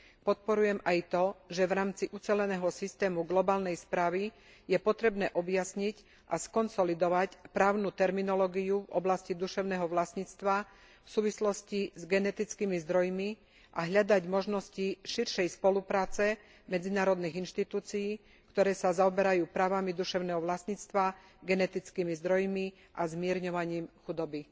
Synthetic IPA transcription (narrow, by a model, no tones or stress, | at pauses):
pɔt̪̚pɔɾujɛmajt̪ɔʒɛʋɾaːmt͡siʔut͡sɛlɛnɛːɦɔsist̪ɛːmuɡlɔbaːlnɛjspɾaːʋi | jɛpɔt̪ɾɛbnɛːʔɔbjasɲic | ʔaskɔnsɔlid̪ɔʋacpɾaːʊnut̪ɛɾminɔlɔːɡijuvɔ̰blascid̪uʃɛʊnɛːɦɔʋlasɲit͡st̪ʋa | fsuːʋislɔscizɡɛnɛt̪it͡skimizd̪ɾɔjmi | ʔaɦʎad̪aɟmɔʒnɔsciʃiɾʃɛjspɔlupɾaːt͡sɛ | mɛd͡zinaːɾɔd̪niɣinʃt̪it̪uːt͡sijiː | kt̪ɔɾɛːsazaɔbɛɾajuːpɾaːʋamid̪uʃɛʊnɛːɦɔʋlasɲit͡st̪ʋa | ɡɛnɛt̪it͡skimizd̪ɾɔjmi | ʔazmɪɛɾɲɔʋaɲiːmxud̪ɔbi